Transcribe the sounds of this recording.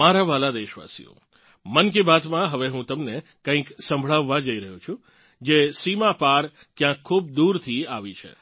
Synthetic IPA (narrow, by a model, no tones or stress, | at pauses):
aɾaʋalad̪eʃʋa̰sḭjo̰ | mənkibat̪mãɦəʋeɦũt̪əmnekə̃ĩksə̃mbʱɭaʋːãd͡ʒəiɾəɦũt͡ʃʰũ | d͡ʒesimapaɾ | kjãkʰːub̚d̪uɾt̪ʰiaʋit͡ʃʰḛ